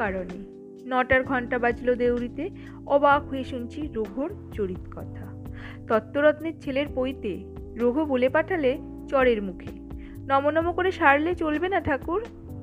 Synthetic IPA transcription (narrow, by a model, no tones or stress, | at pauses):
aɾone | nɔʈaɾɡʱɔɳʈabad͡ʑlod̪ewɾit̪e | ɔbakɦueʃunt͡ɕʰiɾoɡʱoɾt͡ɕoɾit̪kɔt̪ʰa | t̪ɔt̪ːoɾɔt̪neɾt͡ɕʰeleɾpojt̪e | ɾoɡʱobolepaʈʰale | t͡ɕɔɾeɾmukʰe | nɔmonɔmokoɾeʃaɾlet͡ɕolbenaʈʰakuɾ